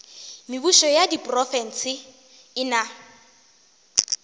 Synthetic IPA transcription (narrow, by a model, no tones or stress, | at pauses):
mɪbuʃɔjadipʼrɔfɛn̩sɪ | ɪna